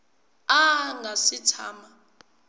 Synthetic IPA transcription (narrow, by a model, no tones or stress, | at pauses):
aŋʱasitʰaːma